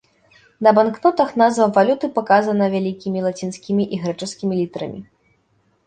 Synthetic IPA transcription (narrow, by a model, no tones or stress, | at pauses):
nɐbanknɔt̪ɐxnazvɐvalʲut̪ɨpakazɐnɐvʲalʲikʲimʲilˠat͡sʲinsʲkʲimʲiʔiɣɾɛt͡ʂɨskʲimʲilʲit̪ɐɾɐ̰mʲḭ